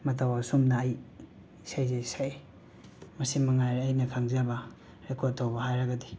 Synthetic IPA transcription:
mɐtʰawasumnɐːj | sajzesaj | mɐsimɐŋajɾɐjnɐkʰaŋzabɐ | ɾekʰotʰawbɐhajɾɐɡɐdi

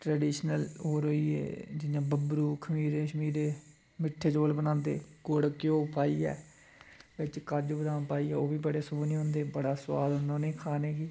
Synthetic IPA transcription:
ʈɾəːɖiːʃnəloːɾɦoːiːḛːd͡ʒɪjãːbəbɾuːkʰəmiːɾeːʃəmiːɾeː | mɪʈʰːeːd͡ʒoːlbənãːnd̪ḛːɡoɽkɪjoːpaːiːɛ̰ː | bɪt͡ʃkəd͡ʒoːbəd̪ãːnpaːiːɛːoːbiːbəɽeːsʊbniːɦʊ̃nd̪eːbəɽaːswa̰ːd̪ɦʊnd̪ãːnẽːkʰaːneːɡiː

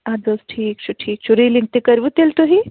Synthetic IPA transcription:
adoːsʈʰiːk̚t͡ʃʰuʈʰiːk̚t͡ʃʰuɾilĩŋk̚t̪ekɐɾʋut̪elt̪oɦi

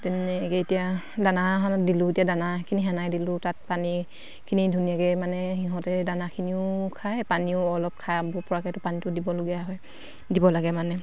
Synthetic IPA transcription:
tɛnɛkɛetija | danaɦanadilʊetijadanakʰiniɦɛnajdilʊtat̚pani | kʰinidʱunijakɛmanɛhiɦɔ̃tɛdanakʰiniʊkʰajpaniʊɔlɔp̚kʰaabʊɹpɔɹakɛtʊpanitʊdibɔloɡijaɦɔj | dibɔlaɡɛmanɛ

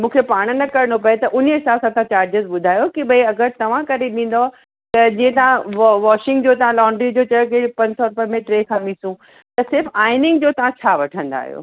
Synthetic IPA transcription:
mũːkʰepaːɽ̃nɐkɐɾɪɽ̃opɐet̪ɐʔʊnəɦɪsaːbsãt̪ɐãt͡ɕaːɾd͡ʑəzɓʊd̪ʱaːjokiɓɐiɐɡəɾt̪ɐʋ̤ãkɐɾeɗĩːn̆d̪o | t̪ɐd͡ʑĩːə̃t̪ɐʋãʋɔːʃɪ̃ŋɡd͡ʑoːt̪ɐʋ̤ãlɔ̃ːɳɖɾid͡ʑoːt͡ɕɐjokipɐ̃ɲd͡ʑsɔɾʊpəmẽʈɾeːkʰãmĩsũ | t̪ɐsɪɾfaːɪnɪ̃ŋɡd͡ʑoːt̪ɐʋ̤ãt͡ɕʰaːʋɐʈʰə̃nd̪a̰ːɦijo̰ː

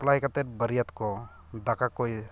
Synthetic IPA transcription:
plaɦjkat̪ɛɾbəɾijat̪kɔ | d̪akakoj

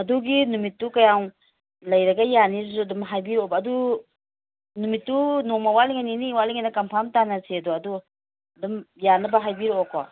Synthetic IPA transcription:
ɐduɡinumitːukɐjaŋ | lɐjɾɐɡajanizzudɔmɦajbiɾɔɔbaːdu | numitːunomawaliŋajniniwaliŋajnakampʰamtanasiɐduɐdu | ɐdɔmjanɐbaɦajbiɾɔɔkʰɔ̰

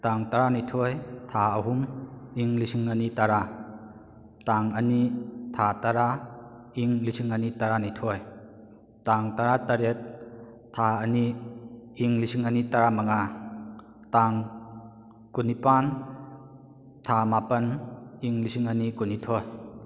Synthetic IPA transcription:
taŋtaɾanitʰojtʰaɐɦumiŋlisiŋanitaɾa | taŋɐnitʰataɾa | iŋlisiŋənitaɾanitʰoj | taŋtaɾataɾet̚ʰː | aɐniː | ŋlisiŋanitaɾamaŋa | taŋ | kunipan | tʰamapɐniŋlisiŋənikunitʰoj

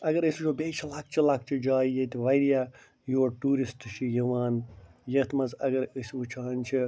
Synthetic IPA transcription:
ɐɡɐɾɐsut͡ʃʰobeːt͡ʃʰilɐk̚t͡ʃʰilɐk̚t͡ʃʰid͡ʒaːijet̪iʋɐjɾija | juɐɾʈuːɾisʈt͡ʃʰijɐʋaːnjɐt̪ʰmɐzɐɡɐɾəsʋut͡ʃʰaːnt͡ʃʰi

